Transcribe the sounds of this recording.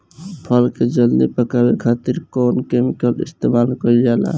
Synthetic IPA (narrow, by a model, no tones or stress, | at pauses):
pʰəlked͡ʒəld̪ipəkabekʰat̪iɾkɔnkemikəlḭst̪emalkəɾd͡ʒala̰